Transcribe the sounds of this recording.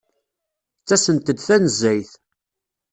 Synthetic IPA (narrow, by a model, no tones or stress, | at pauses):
t͡sːæsənt̪əd̪θænəzːæjθ